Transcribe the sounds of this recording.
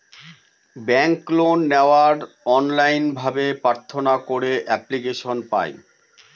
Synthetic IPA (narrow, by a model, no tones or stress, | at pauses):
bɛŋklonːeoaɾ | ɔnlajnbʱabepɾaɾt̪ʰːonakoɾeʔɛplikeʃonpa̰j